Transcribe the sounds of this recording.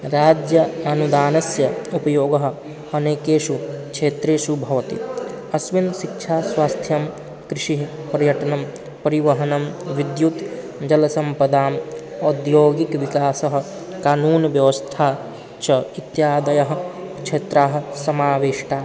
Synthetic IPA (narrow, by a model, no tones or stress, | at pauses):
ɾaːd͡ʒjɐɐnud̪aːnɐsjɐupɐjoːɡɐɦ̆ | ɐneːkeːʃukt͡ʃʰeːt̪ɾeːsubʱɐʋɐt̪ḭ | ɐsʋinʃikt͡ʃʰaːswaːst̪ʰjɐm | kɾɪʃiɦ | pɾɐjɐʈɐnɐm | pɐɾiʋɐɦɐnɐmʋid̪jut̪ | d͡ʒɐlɐsɐmpɐd̪aːm | ɔːd̪joːɡikʋikaːsɐɦ̆ | kaːnuːnʋjɐʋɐst̪ʰaː | t͡ʃʰɐit̪jaːd̪ɐjɐɦ̆ | kʃʰeːt̪ɾaːɦ̆sɐmaːʋeːʃʈaː